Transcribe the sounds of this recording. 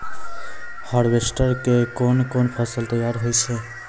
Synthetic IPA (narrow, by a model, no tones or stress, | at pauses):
haɽʋesʈəɾkekoːnkoːnpʰəsəlt̪əjaːɾɦoit͡ʃʰe